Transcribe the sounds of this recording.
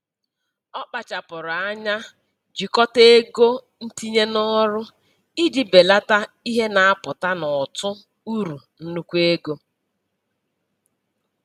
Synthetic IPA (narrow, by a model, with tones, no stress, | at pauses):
ɔ˦k͡pa˨t͡ʃa˨pʊ˨ɾʊ˨a˦ɲa˦ | d͡ʒi˨kɔ˦te˦ɡo˦ | n̩˦ti˦ɲe˦nɔ˦ɾʊ˦ | i˦di˨be˨la˦ta˦i˦ɦe˦na˨a˦pʊ˨ta˦nɔ˨tʊ˦ | u˦ɾu˨n̩˦nu˦kʷe˦ɡo˦